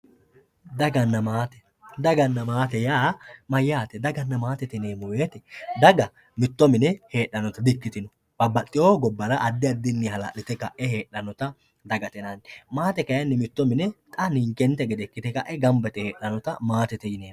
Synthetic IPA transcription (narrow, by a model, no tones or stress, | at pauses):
d̪ɐɡɐnːɐmaːt̪ɛ̥ | d̪ɐɡɐnːɐmaːt̪ɛjaːmɐjːaːt̪ɛd̪ɐɡɐnːɐmaːt̪ɛt̪ɛne̞ːmɔweːt̪ɛd̪ɐɡɐ | mɪt̪ːɔmɪnɛhe̞ːɗːɐnɔt̪ɐd̪ɪkːɪt̪ɪnɔ | b̥ɐbːɐt̪ʼːɪjoːɡɔbːɐɾɐʔɐd̪ːɪɐd̪ːɪnːɪhɐla̰ːʔɪt̪ɛkːɐʔɛhe̞ːᶑːɐnɔt̪ɐ | d̪ɐɡɐt̪ɛnɐnmaːt̪ɛkɐjɐnːɛmɪt̪ːɔmɪnɛt̪ʼɐnɪŋkɛnt̪ɛɡɛd̪ɛkːɪt̪ɛkɐʔɛɡɐmbɐt̪ɛheːɗɐnɔt̪ɐmaːt̪ɛt̪ɛjɪneːm